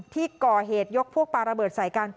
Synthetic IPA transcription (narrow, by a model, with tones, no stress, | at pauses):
t̪ʰiː˥˩kɔː˨˩ɦeː˨˩t̪̚jo˦˥k̚pʰu˥ək̚paː˧ɾa˧bɤː˨˩t̪̚sa˨˩˦jkaː˧n